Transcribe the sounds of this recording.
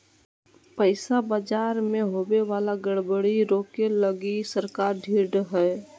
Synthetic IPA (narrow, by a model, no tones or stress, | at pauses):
pəɪsabəd͡ʒaɾmeɦobeʋalaɡəɽbəɽiɾoːkeləɡisəɾkaːɾɖʱiːɾɖɦɛ